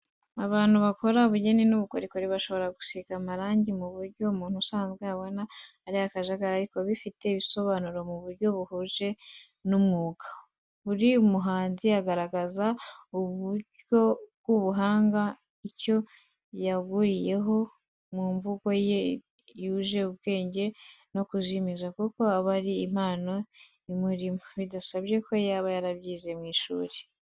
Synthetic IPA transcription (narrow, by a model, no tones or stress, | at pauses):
aβaːn̥huβako̞ɾaβuɟe̞ninuβuko̞ɾikoɾiβaʃo̞βo̞ɾaɡusikamaɾaːɲɟimuβuɾɟo̞umuːn̥husaːnzɡweaβo̞naː | ɾiakaʒaɡaɾaɾiko̞βifite̞iβiso̞βaːnuɾo̞muβuɾɟo̞βuhuʒe̞ | numuɡa | βuɾiumuɦaːnziaɡaɾaɡazauβuɟjo̞bɡuβuɦaːŋɡa | ico̞ | jaɡuɾije̞ɦo̞ | muːɱvuko̞je | juʒe̞ubɡe̞ːɲɟe̞no̞kuzimizakuko̞aβaɾiːm̥aːno̞ | imuɾimoβidasaβje̞ko̞jaːβajaɾaβɟiːze̞mŋiːʃṵːɾe̥